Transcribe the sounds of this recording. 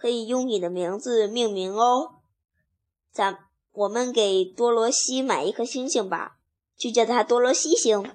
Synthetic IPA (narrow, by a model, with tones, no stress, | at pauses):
kʰɤ˧˥i˨˩jʊ˥˩ŋni˨˩d̪ə˦mi˧˥ŋd͡zɹ̩˧mi˥˩ŋmi˧˥ŋo˥ʊ | t͡sa˧˥m | wɔ˨˩mə˦nke˨˩ɪt̪wɔ˥lwɔ˧˥ɕi˥ma˨˩ɪ˧˥kʰɤ˥˩ɕi˥ŋɕi˥˩ŋbɐ̰˧˩ | t͡ɕo˥˩t͡ɕjɛ˥˩d̪ə˨˩a˥t̪wɔ˥lwɔ˧˥ɕi˥ɕi˧˥ŋ